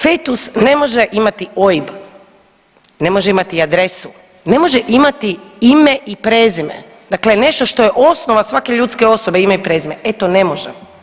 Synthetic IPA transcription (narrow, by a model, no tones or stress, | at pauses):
fejt̪usne̞mo̞ʒeʔimat̪ioib | ne̞mo̞ʒeimat̪iad̪ɾe̞su | ne̞mo̞ʒeʔimat̪iime̞ʔipɾeːzimḛ | d̪aklene̞ʃt̪o̞ʃt̪ojeʔo̞snoʋasʋake̞ʎuːt̪ske̞o̞so̞beimeipɾeːzimeet̪one̞moʒḛ